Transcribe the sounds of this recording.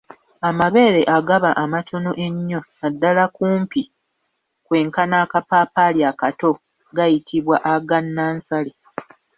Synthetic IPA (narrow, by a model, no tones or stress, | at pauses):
amaβe̞ːɾe̞ʔaɡaβaʔamatʰo̞no̞ʔeɲːo̞nadːalakuːmpi | kwe̞ːŋkanaːkapaːpaljakato̞ | ɡajitʰiβwaʔaɡanːaːnsale